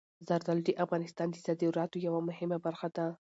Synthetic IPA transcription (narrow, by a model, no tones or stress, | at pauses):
zaɾd̪aldiʔafɣɑnɪst̪ɑnd̪əsad̪iɾɑt̪ojawamʊhɪmabaɾxad̪a